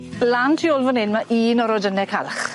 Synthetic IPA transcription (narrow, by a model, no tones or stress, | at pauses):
lantʰioːlˠvɔnɪnmaʔiːnɔɾɔdənɛkʰalχ